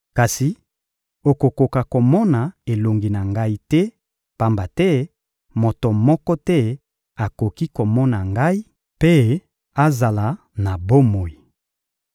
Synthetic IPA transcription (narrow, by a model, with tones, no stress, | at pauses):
ka˨si˨ | o˨ko˨ko˨ka˨ko˨mɔ˦na˨e˨lo˨ŋɡi˨na˨ŋɡa˦i˦tɛ˦ | pa˦mba˨tɛ˦ | mo˨to˨mɔ˦kɔ˦tɛ˦ | a˨ko˨ki˦ko˨mɔ˦na˨ŋɡa˦i˦ | pe˦ | a˦za˨la˨ | na˨bo˦mo˨i˨